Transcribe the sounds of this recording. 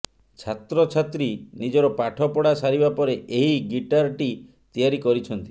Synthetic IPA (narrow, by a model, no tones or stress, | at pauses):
t͡ʃʰat̪ɾɔt͡ʃʰat̪ɾinid͡ʒɔɾɔpaʈʰɔpɔɽasaɾibapɔɾeʔeɦiɡiʈaɾʈi | t̪iaɾikɔɾit͡ʃʰɔnt̪i̥